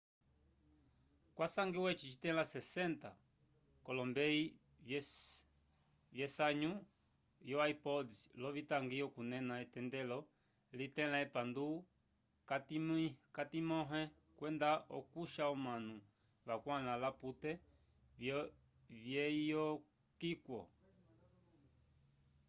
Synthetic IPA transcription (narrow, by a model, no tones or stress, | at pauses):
kwasaŋɡiwɛt͡ʃit͡ʃi̥tɛlasɛsɛnta | kɔlɔmbɛi | vjɛsaɲu | jɔaipɔdilɔvitaŋɡiɔkunɛnaɛtɛndɛlɔ | litɛlaɛpandu | katimikatimɔɦɛ | kwɛndaʔɔ̰kuʃaɔmanu | βakwalalaputɛ | vjɛijɔ | kikwɔ̰